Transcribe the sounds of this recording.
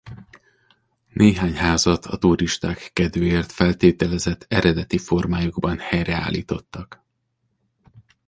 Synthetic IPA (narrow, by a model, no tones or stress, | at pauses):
nʔeːɦaːɲɦaːzɒt̪ʰɒt̪uɾiʃt̪aːkːɛd̪øːeːrt̪fɛlt̪eːt̪ɛlɛzɛt̪ʰːɛɾɛd̪ɛt̪ifo̞rmaːjuɡbɒnhɛjrɛa̰ːlḭːt̪o̞t̪ːɒk